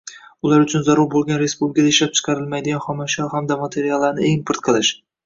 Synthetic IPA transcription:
ʊlaɾʊt͡ʃʰʊnzaɾʊɾbolˠɡʲanɾe̞spublʲɪkʰad̪aɪʃlap̚t͡ʃʰɨ̥qʰɑɾɪlmajd̪ɪɡʲanχɒmaʃɒɾhamd̪amat̪ʰe̞ɾijalˠːaɾnɪeŋpʰɨɾt̪̚qʰɨlˠɪʃ

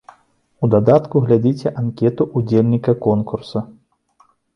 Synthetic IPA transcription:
ud̪ad̪at̪kuɣlʲad͡zʲit͡sʲɛʔankʲɛt̪uʔud͡zʲelʲnʲikɐkɔnkursɐ

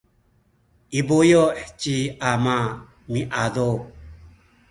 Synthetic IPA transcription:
ibojɔt͡ʃiama | miʔad̪o

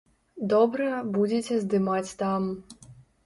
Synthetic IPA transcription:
d̪ɔbɾɐbud͡zʲet͡sʲɛzd̪ɨmat͡sʲt̪am

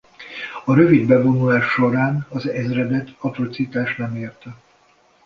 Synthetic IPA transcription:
ɒɾø̞vid̪bɛbo̞nulaːʃːo̞ɾaːnɒzɛzrɛd̪ɛt̪ːɒt̪ro̞t̪sit̪aːʃnɛmeːrt̪ɛ

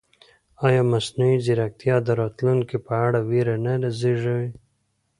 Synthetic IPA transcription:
ɑjɑmasnuiziɾak̚t̪jɑd̪əɾɑt̪lunkipaaɽawiɾanalaziʐəwi

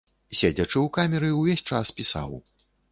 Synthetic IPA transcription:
sʲed͡zʲɐt͡ʂɨwkamʲɛɾɨwvʲesʲt͡ʂaspʲisa̰w

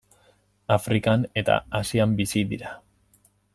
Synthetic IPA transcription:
afɾikane̞t̪a̰asiambisiðiɾa

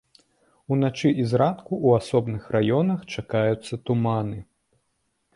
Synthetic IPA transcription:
un̪at͡ʂɨʔizɾat̪kuʔuasɔbnɨxrajɔnɐxt͡ʂakajut̪sːɐt̪umanɨ

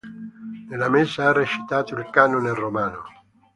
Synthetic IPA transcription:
nelamesaareʃi̥t̪aːt̪oilkanonelromaːno

